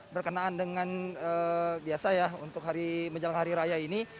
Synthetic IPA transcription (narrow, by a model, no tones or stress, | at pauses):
bərkənaːndəŋanəbiasajaunt̪ʊk̚ɦaɾiməd͡ʒalaŋɦaɾiɾajaini